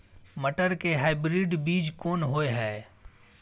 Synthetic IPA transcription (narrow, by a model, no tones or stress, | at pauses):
məʈəɾkeɦaːɪbɾiɖbiːd͡ʒkoːnɦoːeɦɛː